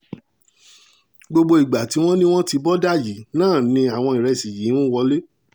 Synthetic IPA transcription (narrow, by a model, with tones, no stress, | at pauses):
ɡ͡bo˧ɡ͡bo˧i˨ɡ͡ba˨ti˨˦w̃ɔ̃˦nĩ˦w̃ɔ̃˦ti˧bɔ˦da˦˨ji˨˦nãː˦˨nĩ˧a˨w̃ɔ̃˧i˨ɾɛ˧˨si˨ji˨˦wũ˦wɔ˧le˦